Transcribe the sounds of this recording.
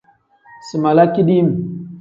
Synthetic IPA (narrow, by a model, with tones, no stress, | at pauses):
si˨ma˨la˦ki˦ɗi˦m˨